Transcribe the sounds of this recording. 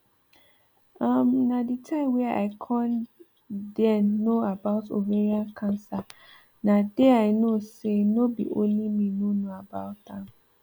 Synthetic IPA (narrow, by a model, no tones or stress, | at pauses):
amnaditʰãɪ̃mwɛa̰ɪkʰãn | dɛnoabaʊto̰veɹiãnkʰãnsa | nadɛaɪnosenobḭʔõ̰nlimĩnonoabaʊt̚ãm